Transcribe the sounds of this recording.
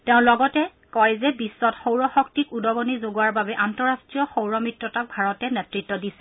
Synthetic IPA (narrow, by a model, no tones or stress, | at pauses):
tɛʊ̃lɔɡɔtɛ | kɔjzɛbisːɔtxowɹɔxɔk̚tikudɔɡɔnizoɡuaɹbabɛʔantɔɹastɹijɔxowɹɔmɹitːɔtak̚bʱaɹɔtɛnɛtɹitːɔdisɛ